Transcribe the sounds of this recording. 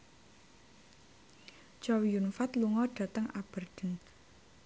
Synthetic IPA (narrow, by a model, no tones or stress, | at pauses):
t͡ʃɔwijunfat̪luŋɔɖ̥ä̤t̪əŋab̥ə̤rd̪̥ə̤n